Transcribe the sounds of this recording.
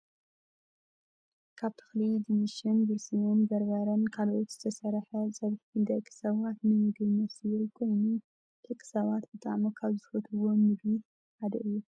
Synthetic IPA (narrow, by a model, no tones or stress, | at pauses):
kʰaβt̪ʰɨ̥xlid̪ɨmiʃɨnbɨɾsijonbɐɾbɐɾɐnkʰalʔot̪z̥ɨt̪ʰɐsɐɾħɐzʼɐβħid̪ɐkʰʼɨ̥sɐβat̪nɨmɨɡɨnɐsikʰo̞jnu | t̪ʰɨkʰʼɨ̥sɐβat̪bɨt̪ʰa̰ʕmokʰaβzɨfot̪ʰɨwo̞mɨdi | ad̪ɐʔɨjːu